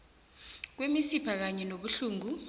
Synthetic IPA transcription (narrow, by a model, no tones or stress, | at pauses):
k̬wemisipʰak̬aɲɛnoɓuɬuːŋu